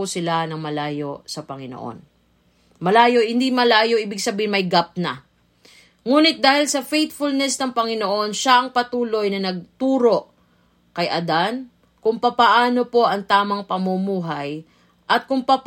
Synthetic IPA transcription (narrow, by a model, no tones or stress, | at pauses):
ʊsɪlanɐŋmɐlaːjo̞sɐpɐŋɪno̰ʔo̰n | mɐlaːjo̞hɪnd̪imɐlaːjo̞ʔiːbɪɡsɐbiːhɪnmɐjɡap̚nɐ | ŋuːnɪt̪̚d̪aːhɪlsɐfejt̪̚fʊlnɛsnɐŋpɐŋɪno̞ʔo̞nʃaʔɐŋpɐt̪uːlo̞jnɐnɐɡ̚t̪uːɾo̞ʔ | kɐjʔɐd̪an | kʊŋpɐpɐʔaːno̞po̞ʔɐŋt̪aːmɐŋpɐmumuːɦaj | ʔɐt̪̚kʊŋpɐp